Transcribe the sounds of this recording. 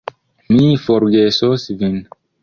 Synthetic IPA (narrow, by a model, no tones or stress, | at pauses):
mifɔɾɡesosvin